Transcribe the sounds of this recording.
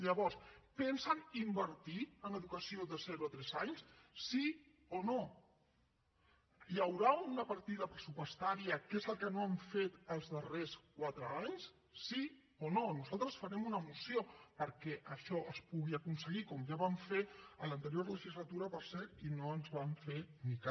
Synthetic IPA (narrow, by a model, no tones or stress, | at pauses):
ʎəβɔɾspɛnsənimbəɾt̪iənəðukəsioðəzɛɾuət̪ɾɛzaɲssi | ono | jəwɾaunəpəɾt̪iðəpɾəsupwəst̪aɾiəkezəlˠkənoəɱfet̪əlˠzðəreskwat̪ɾəaɲs | sːi | ononuzalˠt̪ɾəsfəɾɛmunəmusiopəɾkɛʔəʃɔʔəspuɣiəkunsəɣikɔmʒaβamfeələnt̪əɾijoɾləʒizlət̪uɾəpəɾsɛɾɾt̪inoənzβaɱfenika